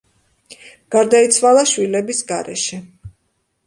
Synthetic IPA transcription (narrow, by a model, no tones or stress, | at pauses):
ɡ̥aɾd̪ait̪sʰwalˠaʃwilɛbisɡaɾɛ̰ʃɛ